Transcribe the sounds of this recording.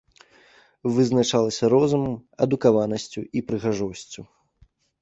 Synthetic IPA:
vɨznat͡ʂalˠɐsʲɐɾɔzumɐmɐd̪ukavanɐsʲt͡sʲuipɾɨɣaʐɔsʲt͡sʲu

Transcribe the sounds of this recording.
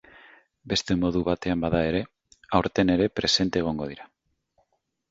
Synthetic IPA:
be̞st̪e̞mo̞ð̞uβat̪e̞ambaðae̞ɾe̞ | awɾt̪ene̞ɾe̞pɾe̞se̞nt̪eeːɣ̞o̞ŋɡo̞ð̞iɾa

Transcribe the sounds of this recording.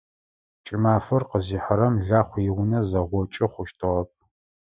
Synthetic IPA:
t͡ʃʼɪmaːfɐrqəziːħəɾɐmɮaːχʷjɪwʊnɐzɐʁʷɔt͡ʃʼɪχʷʊʃtʰɨʁɐp̚

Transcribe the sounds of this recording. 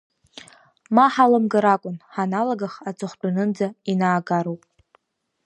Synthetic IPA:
maħalɨmɡaɾakʷʼʊnħanalaɡaχat͡sʰʼɨχʷbanɨnd͡zainaːɡaɾowpʼ

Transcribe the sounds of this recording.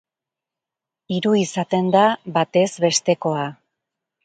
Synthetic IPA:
iɾuisat̪e̞nd̪aβat̪e̞zβe̞st̪e̞ko̞a

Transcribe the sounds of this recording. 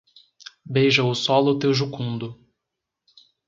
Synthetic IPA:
bejʒɐʊsɔlʊt̪ewʒukũnd̪ʊ

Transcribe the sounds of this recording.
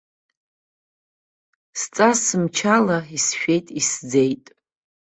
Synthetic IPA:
st͡sʼasɨmt͡ʃʰalaisʃᶣe̞jtʼisd͡zejtʼ

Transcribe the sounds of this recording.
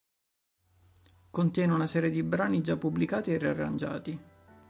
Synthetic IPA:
kont̪jɛːneunasɛːɾjed̪ibɾaːnid͡ʒapːublikaːt̪ierːia̰rːa̰nd͡ʒa̰ːt̪i

